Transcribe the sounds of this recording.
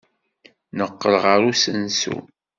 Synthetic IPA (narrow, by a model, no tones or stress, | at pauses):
nəqːəlʁəɾusənsṵ